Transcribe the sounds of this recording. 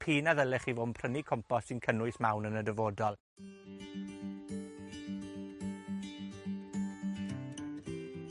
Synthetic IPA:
pʰiːnaðəlɛχivoːmpʰrənikʰɔmpɔsɪnkʰənʊɨsmawnənədəvoːdɔlˠ

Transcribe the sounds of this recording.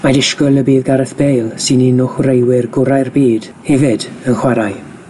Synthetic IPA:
madɪʃkɔlˠəbiːðɡaɾəθb̥ejlˠsɨninʊχwrejwɪrɡʊɾajrbiːd̥ | hɛvɪdənχwaɾaj

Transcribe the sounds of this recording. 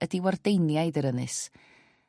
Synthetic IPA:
ədiwardejnjajdəɾənɨ̰s

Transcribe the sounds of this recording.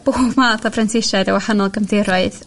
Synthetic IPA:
b̥oːvmaːθɔfransɪʃadəwahanɔlˠɡəmdɪɾɔɨð

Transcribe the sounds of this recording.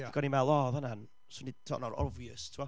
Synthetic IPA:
iɡ̥ɔnimalˠɔðanan | sonitʰɔ̰ːʔnɔɾɔ̰viəstʰua

